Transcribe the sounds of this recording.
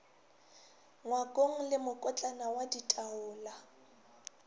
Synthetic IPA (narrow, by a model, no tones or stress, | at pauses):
ŋwakʼoŋ̩lɪmʊkʼɔt͡ɬʼanawaditʼaʊːla